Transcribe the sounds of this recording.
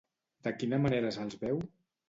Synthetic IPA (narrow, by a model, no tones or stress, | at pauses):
d̪̥əkinəmaneɾəsəlˠzβɛw